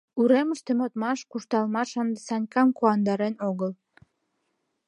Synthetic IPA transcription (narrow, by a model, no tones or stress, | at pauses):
uɾeməʃt̪emot̪mɑʃkuʃt̪ɑlmɑʃɑnd̪əsɑnʲkɑmkoɑnd̪ɑɾenoɣəl